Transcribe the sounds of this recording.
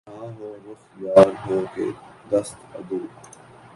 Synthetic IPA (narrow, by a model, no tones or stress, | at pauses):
ãːɦoːɾʊxjaːɾɦõːkḛːd̪əst̪ɐ̰d̪uː